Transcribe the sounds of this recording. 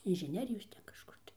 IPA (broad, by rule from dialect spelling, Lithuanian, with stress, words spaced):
ɪnʲʒʲɪˈnʲæːrʲɪjoːs ˈtʲɛn kɐʃˈkʊr tɐɪ